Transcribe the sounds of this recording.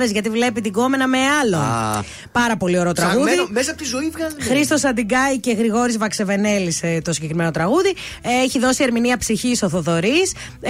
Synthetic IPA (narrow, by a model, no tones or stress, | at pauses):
ðezʝɐt̪ivle̞pit̪iɡo̞me̞nɐme̞ɐlo̞ | pɐɾɐpo̞lio̞ɾet̪ɾɐɣɣuðimesɐpot̪izuivɣɐzxɾist̪o̞sɐd̪iɡɐice̞ɣɾiɣo̞ɾizvɐkse̞ve̞ne̞list̪o̞siɟekɾime̞no̞t̪ɾɐɣuði | eçiðo̞sie̞ɾminiɐpsiçiso̞θo̞ðo̞ɾis